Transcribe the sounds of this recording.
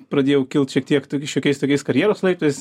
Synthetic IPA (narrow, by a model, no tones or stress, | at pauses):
pɾɐd̪ʲeːjɛʊkʲɪlˠt̪ʃʲiɛk̚t̪ʲiɛkt̪oːkʲɪʃjoːkʲɛɪst̪oːkʲɛɪskɐɾʲjæːɾoːslˠɐɪt̪oːjs